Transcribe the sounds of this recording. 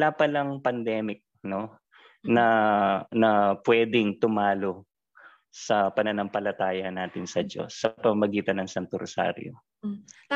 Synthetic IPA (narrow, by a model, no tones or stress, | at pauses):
wɐlapɐlɐŋpɐnd̪ɛːmɪk̚no̞ | nɐnɐpwɛːd̪ɪŋt̪ʊmaːlo̞ | sɐpɐnɐnɐmpɐlɐt̪aːjɐnaːt̪ɪnsɐd͡ʒo̞̰sːɐpɐmɐmɐɡiːt̪ɐnɐŋsɐnt̪ʊɾsa̰ːɾjo̰